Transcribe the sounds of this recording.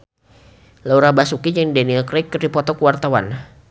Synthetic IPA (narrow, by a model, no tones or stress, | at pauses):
lauɾabasukid͡ʒəŋdɛniakɾɛkːɨrdipɔt̪ɔkuwart̪awa̰n